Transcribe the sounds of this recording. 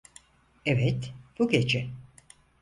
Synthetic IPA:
evɛt̪b̥uɡet͡ʃʰɛ

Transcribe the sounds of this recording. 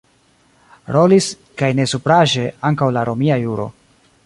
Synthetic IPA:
ɾo̞lis | kajne̞supɾaʒe̞aŋkawlaɾo̞miajuɾo̞̰

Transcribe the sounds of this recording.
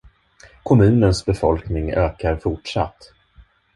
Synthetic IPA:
kʰɔmʉ̟ːnənsbɛfɔlknɪŋøːkaɾfʊʈʂa̰t̪ː

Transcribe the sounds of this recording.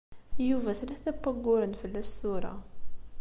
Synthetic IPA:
juvæθliθæpːæɡːʊɾənfəlːæʃθuɾˤɑ̰

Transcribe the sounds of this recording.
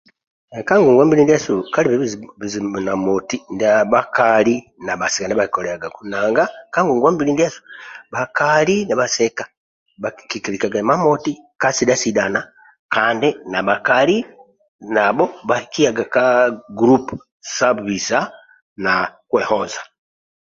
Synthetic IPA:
ekaŋɡuŋɡwambilindesukaliβiβiβizinamotindaβakali | naβasekandiβaki̥koleaɡakunaːŋɡakaŋɡuŋɡwambilindesu̥βakalinaβasekḁ | βakikilikaɡamamotikasidasidana | kandinaβakali | naβoβahikiaɡakaɡuɾup | sabβiza | nakwehozḁ

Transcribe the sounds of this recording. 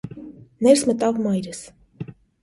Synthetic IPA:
nɛɾsmət̪ɑvmɑjɾəs

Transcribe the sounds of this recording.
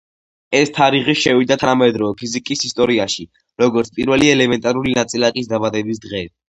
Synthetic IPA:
ɛst̪ʰaɾiʁiʃɛvid̪at̪ʰanamɛd̪ɾɔvɛpʰizikʼisist̪ʼɔɾiaʃi | ɾɔɡɔɾt̪sʰpʼḭɾvɛliɛlɛmɛnt̪ʼaɾulinat̪sʼilakʼisd̪abad̪ɛbis̬d̪ʁɛː

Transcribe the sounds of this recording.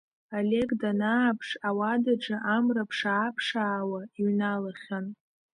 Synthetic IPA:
ale̞kʼdanaːpʰʂawadaʈ͡ʂɨʔamrapʰʂaːpʰʂaːwaiɥnalaχʲan

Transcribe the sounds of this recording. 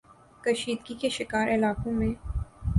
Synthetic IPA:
kɐʃiːd̪ɡikeʃɪkaːɾʔɪlaːkõmẽː

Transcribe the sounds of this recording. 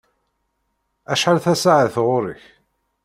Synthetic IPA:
æʃħalθæsaʕəθʁʊɾə̰ç

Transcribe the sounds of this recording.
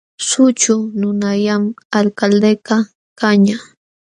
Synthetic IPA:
sʊt͡ʃʊnʊnajamalkald̪ejka | kaɲa

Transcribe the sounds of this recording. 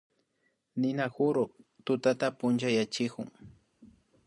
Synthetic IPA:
nɪnaxʊɾokt̪ʊt̪at̪apʊnt͡ʃajat͡ʃɪkʊŋ

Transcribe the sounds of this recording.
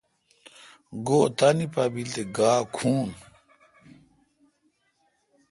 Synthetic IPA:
ɡot̪anipabilt̪eɡaːkʰuːn

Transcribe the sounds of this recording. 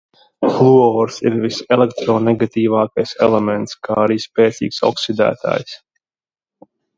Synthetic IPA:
flˠuɔɾsḭɾvisɛlɛkt̪ɾɔːnɛɡat̪iːvɑːkajsɛ̰lˠɛmɛnt̪skʰaːaɾiːspɛːt̪sḭːksɔ̰ksid̪æ̰ːt̪a̰ːjs

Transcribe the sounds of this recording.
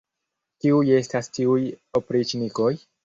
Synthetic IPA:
tiuje̞stastiujopɾit͡ʃiniko̞j

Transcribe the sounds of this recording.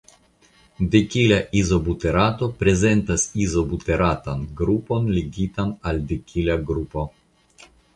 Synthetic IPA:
dekilaʔizo̞buteɾato̞pɾe̞ze̞ntasizo̞buteɾatanɡɾupo̞nliɡitanaldekʲʰilaɡɾupo

